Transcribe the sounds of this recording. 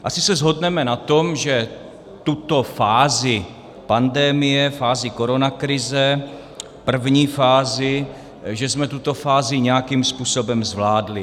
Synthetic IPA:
ʔasɪsɛzɦo̞dnɛmɛnat̪omʒɛ | t̪ut̪ofaːzɪ | pandɛmɪjɛfaːzɪko̞ɾo̞nakɾɪzɛ | pr̩vɲiːfaːzɪ | ʒɛzmɛt̪ut̪o̞faːzɪɲɛjakimspuːsobɛmzvlaːdlɪ

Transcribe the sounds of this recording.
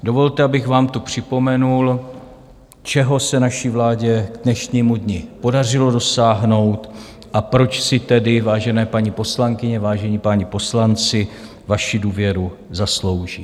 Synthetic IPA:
do̞vo̞lt̪ɛabɪxvaːmt̪upr̝̥ɪpo̞mɛnul | t͡ʃɛɦo̞sɛnaʃivlaːɟɛɡdnɛʃɲiːmudɲɪpo̞dar̝ɪlo̞do̞saːɦno̞wt̪ | ʔapɾo̞t͡ʃsɪt̪ɛdɪvaːʒɛnɛːpaɲipo̞slaŋkɪɲɛvaːʒɛɲiːpaɲipo̞slant͡sɪ | vaʃɪduːvjɛɾu | zaslo̞wʒḭː

